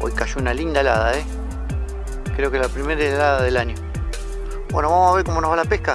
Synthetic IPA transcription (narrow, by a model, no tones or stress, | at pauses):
o̰jkaʃounalind̪aelaðae | kɾe̞okelapɾimeɾelaðaðelaɲjo | bwenoβamosaβeɾkomonoɦβalapehka